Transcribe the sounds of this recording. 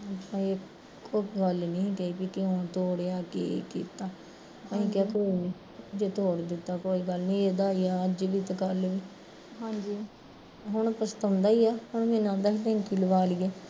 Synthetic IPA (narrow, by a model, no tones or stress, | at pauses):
əpːãːeː | oːɡəlnĩːkəiːpikɪot̪oːɽjaːkḛkḭːt̪aː | ãĩːkaːkoːiːnĩː | d͡ʒeːt̪oːɽd̪ɪt̪ːaːkoːiːɡəlnĩːeːd̪aːiːaːəd͡ʒʋiːt̪eɡəlʋiː | ɦãːd͡ʒiː | ɦʊɳ̃pəst̪ənd̪aːiːaːhʊɳmẽːnãːd̪aːkʰt̪ɛ̃ːŋkiːləʋaːliːeː